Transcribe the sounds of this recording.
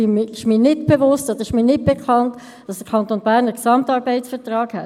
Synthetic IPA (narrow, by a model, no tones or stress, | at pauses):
mɪʃmiːnɪtb̥evʊstod̪əɾɪʃmiːnɪt̚b̥ekʰχɑnt | d̥ɑsd̥əkʰɑntoːnbæːʁnəksɑmtɑːɾbɛɪsfətʁɑːkhɛ̰t